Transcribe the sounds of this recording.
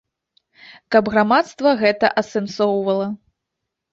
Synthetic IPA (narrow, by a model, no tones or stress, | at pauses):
kɐbɣɾamat̪st̪vɐɣɛt̪ɐʔɐsɛnsɔwvɐlˠɐ